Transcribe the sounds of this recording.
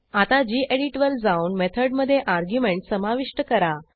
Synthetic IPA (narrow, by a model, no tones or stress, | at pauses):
at̪ad͡ʑiːʔeɽiʈʋəld͡zaunmet̪ʰəɽməd̪ʱːjeʔaɾɡjumeɳʈsəmaʋiʂʈəkəɾa